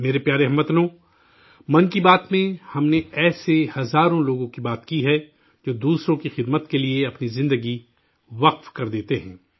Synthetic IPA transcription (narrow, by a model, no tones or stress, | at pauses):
meːɾepjaːɾeɦɐmːɐt̪nõː | mɐnkibaːt̪mẽhɐmneɛːsehɐzaːɾõloːɡõkibaːt̪kiɦɛ | d͡ʒoːd̪uːsɾõkixɪd̪mət̪kelieɐpnizɪ̃nd̪əɡi | ʋɐqfkɐɾd̪eːt̪eɦɛ̃ː